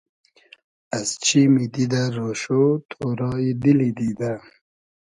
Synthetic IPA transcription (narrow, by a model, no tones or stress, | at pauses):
ast͡ʃimid̪id̪aɾoʃot̪ʰoɾɑid̪ilid̪id̪a